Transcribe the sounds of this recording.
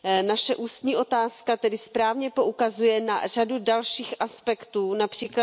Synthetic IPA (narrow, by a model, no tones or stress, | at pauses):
naʃɛʔuːst̪ɲiːʔo̞t̪aːskat̪ɛdɪspɾaːvɲɛpo̞ʔukazujɛna̰r̝̥adudalʃiːxaspɛkt̪uːnapr̝̥iːkla